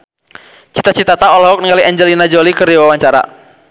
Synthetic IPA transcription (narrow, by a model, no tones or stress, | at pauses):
t͡ʃi̥t̪at͡ʃit̪at̪aɔlɦɔk̚niŋaliɛɲd͡ʒɛlinad͡ʒɔlikərdiwawaɲt͡ʃaɾa̰